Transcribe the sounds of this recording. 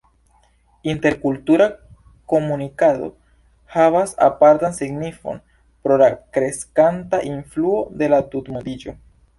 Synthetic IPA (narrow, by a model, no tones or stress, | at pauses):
inte̞ɾkultuɾa | ko̞munikado̞̰ | havasa̰paɾtansiɡnifo̞̰n | pɾo̞lakɾe̞skantaʔinfluo̞de̞latutmodid͡ʒo̞